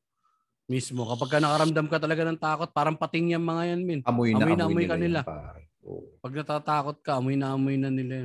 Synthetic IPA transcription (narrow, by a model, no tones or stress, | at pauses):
mismo̞kɐpɐɡ̚kːɐnɐkɐɾɐmd̪amkɐt̪̬ɐlɐɡanɐŋt̪aːko̞t̪̚paːɾɐŋpɐt̪ɪŋjɐŋmɐŋajanmɪnɐmojɐmojnɐʔɐmojkɐnɪla | o̰pɐɡ̚nɐt̪aːt̪aːko̞t̪̚kɐʔɐmojnɐʔɐmojnɐnɪla